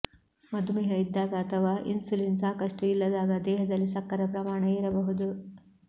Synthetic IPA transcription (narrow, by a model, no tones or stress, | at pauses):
mɐd̪umɛɦɐid̪ːaːɡɐːt̪ʰɐʋaːʔḭnsulinsaːkɐʂʈuilːɐd̪aːɡɐd̪ɛːɦɐd̪ɐlːisɐkːɐɾɐpɾɐmaːɳɐiɾɐbɐɦud̪u